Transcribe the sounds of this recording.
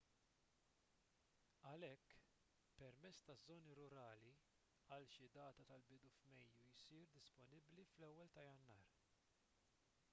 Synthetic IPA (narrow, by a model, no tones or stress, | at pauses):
ɐlɛkː | pɛɾmɛt͡sːt̪ɐzːɔːniɾʊɾɐːli | ɐlʃid̪ɐːt̪ɐt̪ɐlbɪd̪ufmɛjːujsiːɾd̪ɪspɔnɪbliflɛwːɛlt̪ɐjɐnːɐːɾ